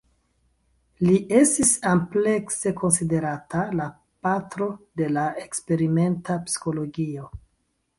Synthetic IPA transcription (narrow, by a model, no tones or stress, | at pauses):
liʔe̞stisample̞kse̞ko̞nside̞ɾatala | patɾo̞de̞laekspe̞ɾime̞ntapsi̥xo̞lo̞ɡio̞